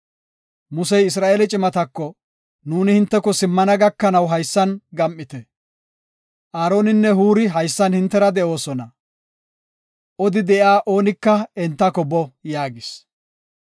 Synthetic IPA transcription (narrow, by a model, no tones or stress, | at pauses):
mʊsɛjɪs̬ɾaːʔelɪt͡ʃʼɪmɐt̪ɐkːɔ | nuːnɪhɪnt̪ːɛkɔsɪmːɐnɐɡɐkːɐnɐwɦɐjsːɐnɡɐmʔːɪt̪ɛ | ʔaːɾo̞ːnɪnːɛɦuːɾɪɦɐjsːɐnhɪnt̪ːɛɾɐd̪ɛʔo̞ːsɔnɐ | ʔɔd̪ɪd̪ɛʔjaːʔo̞ːnɪkːɐɛnt̪ːɐkɔbɔjaːɡɪs